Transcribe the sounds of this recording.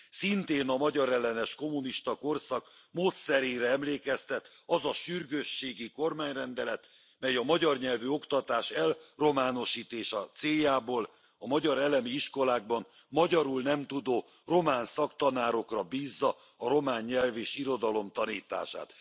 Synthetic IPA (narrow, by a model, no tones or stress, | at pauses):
sint̪eːnɒmɒɟɒɾɛlːɛnɛʃko̞muniʃt̪ɒko̞rsɒkmoːt̪sɛɾeːɾɛɛmleːkɛst̪ɛt̪ | ɒzɒʃyrɡøʃːeːɡiko̞rmaːɲrɛnd̪ɛlɛt̪ | mɛjɒmɒɟɒrɲɛlvyo̞kt̪ɒt̪aːʃɛlro̞maːno̞ʃiːt̪eːʃɒt̪seːjaːboːl | ɒmɒɟɒɾɛlɛmiiʃko̞laːɡ̚bɒn | mɒɟɒɾulnɛmt̪ud̪oː | ro̞maːnsɒkt̪ɒnaːɾo̞krɒbiːzːɒː | ɾo̞maːɲːɛlveːʃiɾo̞d̪ɒlo̞mt̪ɒniːt̪a̰ːʃa̰ːt̪